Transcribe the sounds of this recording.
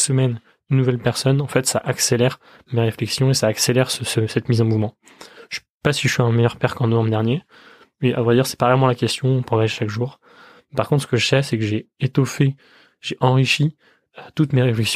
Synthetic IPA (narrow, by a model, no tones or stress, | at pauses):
səmɛn | ynːuvɛlpɛʁsɔnɑ̃fɛt̪saʔakselɛʁ | meʁeflɛksjɔ̃esaːkselɛʁsəsəsɛt̪mizɑ̃muvmɑ̃ | ʃɛ | pasiʒəʃɥiɛ̃mɛjœʁpɛʁkɑ̃nɔvɑ̃bʁəd̪ɛʁnje | mɛʔa̰vʁɛd̪iʁsɛ̥pavɛlmɑ̃lakʲɛst̪jɔ̃ɔ̃pχɔvaʒʃakʒuːʁ | ɛpaʁkɔ̃t̪χsə̥kəʒəsɛsɛkəʒeet̪ɔfe | ʒeʔɑ̃ʁiʃi | øt̪ut̪meʁeflɛksj